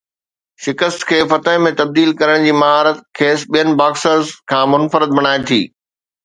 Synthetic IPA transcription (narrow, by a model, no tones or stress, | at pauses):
ʃɪkəst̪kʰeːfɐt̪əɦmẽt̪ɐb̚d̪iːlkɐɾəɽ̃d͡ʑiːmɐɦaːɾət̪kʰeːsɓijənɪ̆baːksəɾzkʰãːmʊnfəɾɪd̪̚bɐɽ̃aːet̪ʰiː